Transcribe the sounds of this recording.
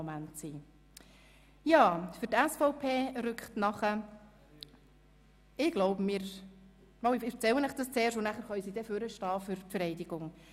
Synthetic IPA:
mæntsiː | jɑːfʏɾtɛsfɔʊpʰeːɾʏkχtnɑχə | ɪɡ̥loʊbəmɪːɾ | mowɪɪft͡sɛwənɛχd̥ɑst͡seːɾʃtʊnæχəɾχœʏsidɛføɾəʃtɑːfʏɾpfəɾɛɪdɪɡ̥ʊŋ

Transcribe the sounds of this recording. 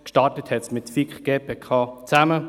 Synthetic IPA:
kʃtɑtəthɛtsmɪtfikχɡ̥eːpʰekʰɑːt͡sæmə

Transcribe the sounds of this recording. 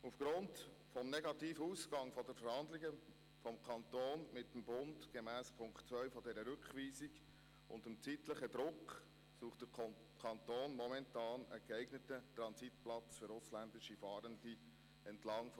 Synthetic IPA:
ufɡ̥ɾʊnd | fɔmnɛɡɑtiːfəuːsɡ̥ɑŋfɔdɛɾfəɾhɑnd̪lɪɡə | fɔmkʰɑnt̪oːnmɪtːəmbʊndɡ̥emæːspʰʊŋkt͡svœʏfɔdɛɾəɾʉkʋiːsiɡ | ʊ̰ndɪmt͡siːtləχəd̪ɾʊk | suːχtd̥ə | kʰɑntoːnmɔmɛntɑːnəɡ̥æɪɡnətətɾɑnsitplɑt͡sfʏɾʊslændɪʃifɑːɾəndi | ɛntlɑŋf

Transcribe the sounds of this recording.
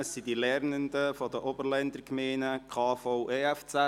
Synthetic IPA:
əsːidilɛɾnəndəfɔdəʔɔbəɾlɛnd̪əɾɡmeːnəkʰɑːfoʊʔɛɛft͡sɛ

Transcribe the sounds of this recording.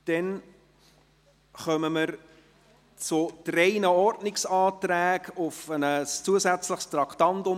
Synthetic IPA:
d̥ɛn | χœməməɾ | t͡sʊtɾeɪnəɔrdnɪksɑːtɾæːɡʊfənəst͡suəsæt͡sləχst̪ɾɑkʰtɑntʊ

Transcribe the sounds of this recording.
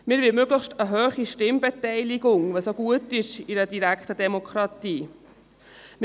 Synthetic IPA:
mɪːɾʋɪmøɡləχʃtəɦøːχiʃtɪmbɛtɛɪliɡʊŋʋɛsoɡuətɪʃiɾədiɾækχtədɛmokʰχɾɑtiː | m

